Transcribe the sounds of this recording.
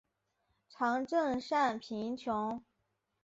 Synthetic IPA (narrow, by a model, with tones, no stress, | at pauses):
ʈ͡ʂʰɑ˧˥ŋʈ͡ʂɤə˥˧ŋʂa˥˩npʰi˧˥ŋt͡ɕʰjʊ˧˥ŋ